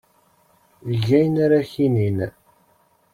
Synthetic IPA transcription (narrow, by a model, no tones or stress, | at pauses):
ʝæjnaɾaçinin